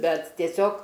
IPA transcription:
ˈbʲɛt tʲiɛˈsʲoːk

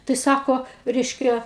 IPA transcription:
tɐɪ ˈsɑːkoː ˈrʲɛɪʃʲkʲɛ

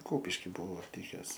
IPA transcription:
ˈkʊpʲɪʃʲkʲɪ ˈbuɔ ˈlʲɪkʲɛs

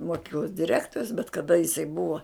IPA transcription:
moːˈkʲiːklˠoːs dʲɪˈrʲæːktoːrʲʊs bʲɛt kɐˈdɐ jɪˈsɐɪ ˈbʊɐ

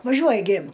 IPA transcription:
ʋɐˈʒʲuɔjɛ ɡʲɪ

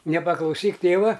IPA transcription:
nʲɛpɐklˠɐʊˈsʲiːk ˈtʲeːʋɐ

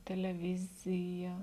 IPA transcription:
tʲɛlʲɛˈʋʲɪzʲɪjɛ

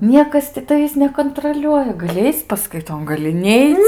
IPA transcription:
ˈnʲiɛkɐs tʲɪ tɐˈʋʲiːs nʲɛkoːnˈtroːlʲuɔjɛ ɡɐˈlʲɪ ˈɐɪt͡sʲ pɐskɐɪˈtoːn ɡɐˈlʲɪ ˈnʲɛɪt͡s

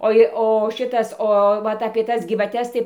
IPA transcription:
ˈoːɪ oː ˈʃʲɪtɐs oː ˈʋɐt ɐpʲiɛ ˈtɐs ɡʲiːʋɐˈtʲɛs tɐɪ

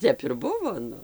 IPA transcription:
ˈtʲɛp ɪr ˈbʊʋoː ˈnʊ

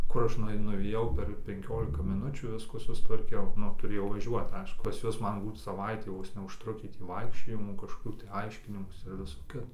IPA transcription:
ˈkʊr ˈɐʃ nʊɐɪˈnʊ nʊʋʲeːˈjɛʊ pʲɛr pʲɛŋʲˈkʲoːlʲɪkɐ mʲɪˈnʊt͡ʃʲuː ˈʋʲɪskuː sʊstʋɐrʲˈkʲɛʊ ˈnʊ tʊˈrʲeːjɛʊ ʋɐˈʒʲuɔt ˈɐɪʃkʊ pɐs ˈjuɔs ˈmɐn ˈbuːt sɐˈʋɐɪtʲiː ˈʋoːs nʲɛʊʃˈtrʊkʲiː tʲiː ˈʋɐɪkʃʲt͡ʃʲoːjɪmuː kɐʃkoːˈkʲuː tɐɪ ˈɐɪʃʲkʲɪnʲɪmuːsʲɪ ɪr ˈʋʲɪsoː ˈkʲɪtoː

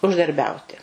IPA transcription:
ʊʒdɐrʲˈbʲɛʊtʲɪ

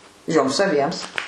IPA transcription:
ˈjoːms ɐˈbʲiɛms

